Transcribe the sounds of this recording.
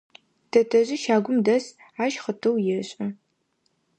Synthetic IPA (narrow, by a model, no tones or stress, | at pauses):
tʰɐtʰɐʑɪʃaːɡʷʊmdɐs | aːʃχətʰɐwjɪɕʼɐ